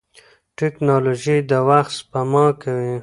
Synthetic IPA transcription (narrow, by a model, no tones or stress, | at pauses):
ʈɪknɑloʒid̪əwaxt̪pamɑkawi